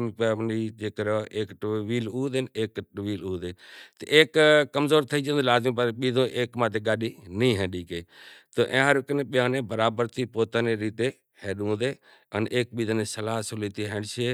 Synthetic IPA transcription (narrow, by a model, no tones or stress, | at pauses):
mipːniːd͡ʒeːkəɾoʔeːkʈʋiːluːd̪eneːkʈʋiːluːd̪eːt̪ḛʔeːkːəmzoːɾt̪ʰəiːd͡ʒə̃ːnd̪laːzmĩːp̬əɾɓiːd̪õːʔeːkmaːt̪eːɡaːɗiːnĩːɦɛ̃ːɗiːkeːt̪oːʔẽːɦəɾɪknẽːɓɪjãːnẽːbəɾaːbəɾt̪ʰiːpoːt̪aːneːɾiːt̪eː | heːɗũːd̪eː | ənʔeːk̚ɓiːd̪õːneːsəlaːɦsʊliːt̪iːɦeːɳʃeː